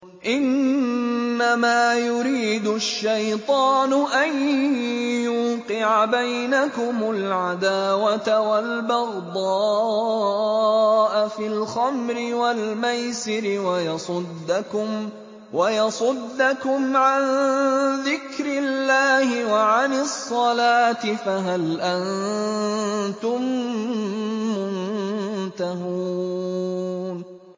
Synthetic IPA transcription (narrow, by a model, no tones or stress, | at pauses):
ʔɪnː | amaːjʊɾiːd̪ʊʃːajt̪ˤɑːnʊʔan | juːqɪʕabajnakʊmʊlʕad̪aːwat̪awalbɑɣd̪ˤɑː | ʔafilxamɾɪwalmajsɪɾɪwajɑsˤʊd̪ːakʊm | wajɑsˤʊd̪ːakʊmʕanðɪkɾɪlːaːhɪwaʕanɪsˤːɑlaːt̪ɪfaɦalʔan | t̪ʊm | ʊnnt̪aɦuː | n